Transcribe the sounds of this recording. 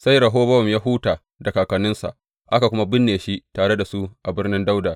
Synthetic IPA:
sa˦jɽɐ˨ɦoː˦bɐ˦˨mjaː˦ɦuː˦taː˨ | da˨kaː˨kɐ˨nɪ˦nsa̰˨ʔ | ʔa˦ka˨kʷʊ˦ma˦bɪ˦nːeː˨ʃi˦taː˨ɽe˦da˨su˦ʔa˨bɪ˦rnɪ˦nda˦wdaː˨

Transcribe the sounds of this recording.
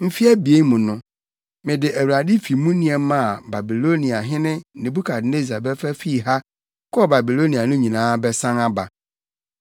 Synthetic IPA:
m̩˦fi˦ɛ˦bi˨e˦mʊ̃˨nʊ̃˦ | mɪ̃˨dɪ˨ʔæ˨wa˨di˦fi˨mũ˦nĩ˨ɛ˨mã˦˨ba˨bi˨lo˦nĩ˨a˨ɦɪ̃˦nɪ̃˦nɪ̃˨bu˦kʰa˨dne˦za˨bɛ˦fɛ˦fi˦˨ɦa˦ | kʊ˦ɔ˦ba˨bi˨lo˦nĩ˨a˨nʊ̃˦ɲĩ˨nãː˦bɛ˦sã˦ŋa˦ba˨

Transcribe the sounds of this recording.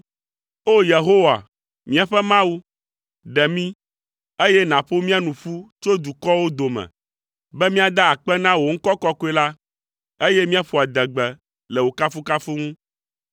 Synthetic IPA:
o˦je˨ɦo˦wa̰˨ | mĩ˦a˨ɸɛ˦mã˦wu˦ | ɖɛ˨mĩ˦ | e˦jɛ˦nã˨ɸo˦mĩ˦a˦nũ˨ɸu˦t͡ʃo˦d̪u˨kɔ˦wo˦d̪o˨mɛ̰̃˨ | bɛ˦mĩ˦a˦d̪a˦a˨k͡pɛ˦nã˦wo˨ŋ̩˦kɔ˦kɔ˦ko˦ɛ˦la˦ | e˦jɛ˦mĩ˦a˦ɸu˨a˨d̪ɛ˨ɡ͡bɛ˨ | lɛ˨wo˨ka˦fu˦ka˦fu˦ŋũ˦

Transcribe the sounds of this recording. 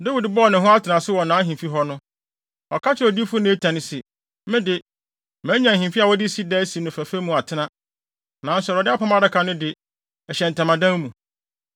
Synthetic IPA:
de˦wi˨dbɔ˦˨nɪ̃˨ɦʊ̃˦a˦tʰɪ˨nã˨sʊ˦wɔ˨nãː˨˦ɦĩ˨mfi˦ɦɔ˦nʊ̃˦ | ɔ˨kʰa˦t͡ɕʰɪ˦ɾɔ˨di˦fʊ˦nɪ̃˦e˦tʰã˨nɪ̃˦sɪ˨˦ | mɪ̃˦dɪ˨ | mæ̃˨˦ɲã˨ɦĩ˨fi˦a˨wɔ˦di˦si˦dɛː˦si˨nʊ̃˨fæ˨fe˦mũ˨a˨tʰɪ˦nã˦ | nã˨n̩˦sɛ˨ɾɔ˨dɪ˦a˦pʰã˦ma˨˦da˦kʰa˨nʊ̃˦dɪ˨ | ɛ˨ɕɛ̃˨n̩˨tʰã˨mã˨dã˦ŋmũ˨

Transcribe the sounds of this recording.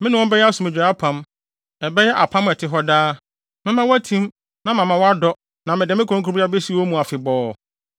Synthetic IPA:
mɪ̃˦nʊ̃˦wɔ̃˦bɛ˦jɛ˦a˦sʊ˨mɪ̃˨d͡ʑᶣa˨a˦pʰã˨m | ɛ˨bɛ˦jɛ˦ʔa˨pʰã˦mɛ˨tʰɪ˨ɦɔ˦daː˦ | mɪ̃˦mã˦wɔ˦æ˦tʰĩ˦m | nã˨mã˨mã˨wɔ˦a˦dɔ˦ | nã˨mɪ̃˨dɪ˨mɪ̃˦kʰõ˨˦kʰu˦i˦a˦be˦si˦wɔ˦mũ˨a˨fɪ˨bɔː˦

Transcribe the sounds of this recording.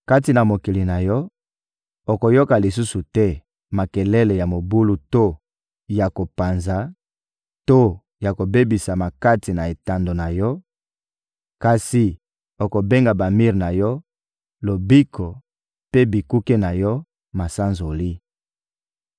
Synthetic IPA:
ka˦ti˨na˨mo˨ki˨li˨na˨jɔ˦ | o˨ko˨jo˦ka˨li˨su˦su˨tɛ˦ | ma˨kɛ˨lɛ˦lɛ˨ja˨mo˨bu˦lu˦to˦ | ja˨ko˨pa˨nza˨˦ | to˦ | ja˨ko˨be˦bi˨sa˨ma˨ka˦ti˨na˨e˨ta˦ndo˨na˨jɔ˦ | ka˨si˨ | o˨ko˨be˦ŋɡa˨ba˨mi˦ʁna˨jɔ˦ | lo˨bi˦kʰɔ˨ | pe˦bi˨ku˦ke˦na˨jɔ˦ | ma˨sa˦nzo˨li˦

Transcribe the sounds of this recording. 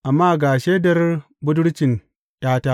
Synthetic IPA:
ʔa˨mːaː˦ɡa˨ʃeː˦dɐ˦ɾ | bu˦du˦ɽt͡ʃi˨n | jaː˦ta˦

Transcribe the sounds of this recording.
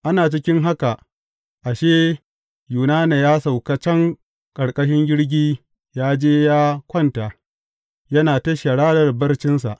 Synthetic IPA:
ʔa˦naː˨t͡ʃɪ˦kʲɪ˦ŋɦa˦ka˨ | ʔa˨ʃeː˦ | juː˨naː˦ne˨jaː˦sa˨wka˦t͡ʃɐ˦ŋ | kʼɐ˨ɽkʼɐ˦ʃ̬ɪ˦ŋɡʲɪ˦ɽɡʲiː˦ | jaː˦d͡ʒeː˦jaː˦kʷɔ˦nta˨ | jɐ˦naː˨tɐ˦ʃa˨ɽaː˦dɐ˨rbɐ˦rt͡ʃɪ˦nsa˨ʔ

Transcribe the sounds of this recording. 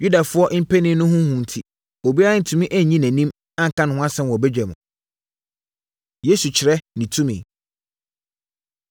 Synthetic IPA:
ju˦da˨fʊ˦ɔ˦ʔm̩˦pʰæ˦nɪ̃˦nʊ̃˦ɦʊ̃˦hũ˨n̩˨tʰi˨ | o˨bi˦a˦n̩˨tʰũ˨mĩ˦ʔæ˦˨ɲĩ˦næ̃˨nĩ˦m | ã˦ŋ̩˨kʰã˦nʊ̃˨hʊ̃˦a˦sɛ̃˦n˨wɔ˨bɛ˦d͡ʑᶣɛ˨mʊ̰̃˨ | je˦su˨t͡ɕʰɪ˨ɾɛ˦nĩ˨tʰũ˦mɪ̰̃˨

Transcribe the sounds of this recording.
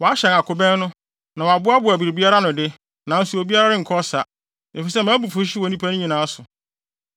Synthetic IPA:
wɔ˨a˦ɕɛ̃˨na˨kʰʊ˨bɛ̃˦n˦nʊ̃˦ | nã˨wa˨bʊ˦a˦bʊ˨æ˨bi˨ɾbi˦a˦ɾa˦nʊ̃˨dɪ˦ | nã˨n̩˦su˨o˨bi˦a˦ɾa˦ɾɪ̃˦ŋ̩˨kʰɔ˦sa˨ | e˨fi˨sɛ˦mãː˨˦bu˨fʊ˦ɕi˦wɔ˨nĩ˦pʰæ˦nʊ̃˦ɲĩ˨nã˨˦sʊ˨

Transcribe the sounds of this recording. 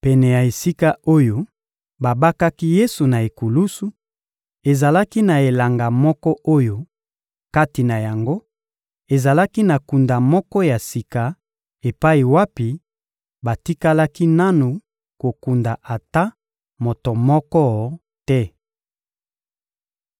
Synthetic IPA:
pɛ˨nɛ˨ja˨e˨si˦ka˦o˦jo˦ | ba˨ba˦ka˦ki˦je˦su˨na˨e˨ku˨lu˦su˦ | e˨za˨la˦ki˦na˨e˨la˨ŋɡa˨mɔ˦kɔ˦ʔo˦jo˦ | ka˦ti˨na˨ja˨ŋɡo˦ | e˨za˨la˦ki˦na˨ku˨nda˨mɔ˦kɔ˦ja˨si˨ka˨ | e˨pa˦i˨wa˦pi˨ | ba˨ti˦ka˦la˦ki˦na˦nu˨ | ko˨ku˨nda˨ʔa˨ta˦ | mo˨to˨mɔ˦kɔ˦ | tɛ˦

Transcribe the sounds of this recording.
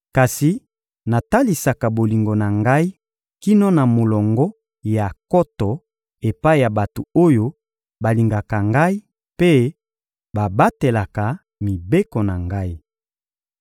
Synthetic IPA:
ka˨si˨ | na˨ta˦li˨sa˨ka˨bo˨li˨ŋɡo˨na˨ŋɡa˦i˦ | ki˦nɔ˦na˨mo˨lɔ˨ŋɡɔ˦ | ja˨kɔ˦tɔ˨ | e˨pa˦i˦˨ja˨ba˨to˨o˦jo˦ | ba˨li˨ŋɡa˨ka˨ŋɡa˦i˦ | pe˦ | ba˨ba˦te˨la˨ka˨ | mi˨be˦ko˨na˨ŋɡa˦i˦

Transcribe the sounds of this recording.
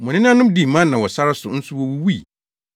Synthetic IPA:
mʊ̃˨nɪ̃˦n˦ã˦nʊ̃˦mdi˦˨mã˦nnã˨wɔ˨sa˦ɾa˦sʊ˨n̩˦sʊ˦wɔ˦wu˦wi˦˨

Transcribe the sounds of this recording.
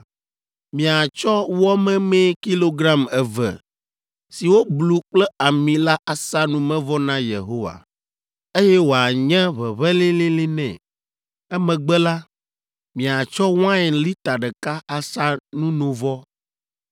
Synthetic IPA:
mĩ˨a˨t͡ʃɔ˦wɔ˦mɛ̃˦mɛ̃˦ki˦lo˦ɡɾa˦mɛ˨vɛ̰˨ | si˨wo˦blu˨k͡plɛ˦a˨mĩ˨la˦ʔa˨sa˦nũ˨mɛ̃˦vɔ˦nã˦jḛ˨ɦo˦wa̰˨ | e˦jɛ˦wo˨a˨ɲɛ̃˦βɛ˨βɛ˦lĩ˦lĩ˦lĩ˦nɛ̰̃˨ | ɛ˦mɛ̃˨ɡ͡bɛ˦la˦ | mĩ˨a˨t͡ʃɔ˦w̃ã˦ɛ˨li˦t̪a˨ɖɛ˨ka˦a˨sa˦nũ˦nõ˨vɔ˦

